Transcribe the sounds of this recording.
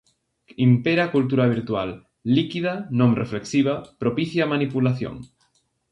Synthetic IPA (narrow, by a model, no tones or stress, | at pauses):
impeɾakult̪uɾaβ̞iɾt̪wa̰lː | ikiðanõmrefleksiβ̞apɾopiθjamanipulaθjo̰ŋ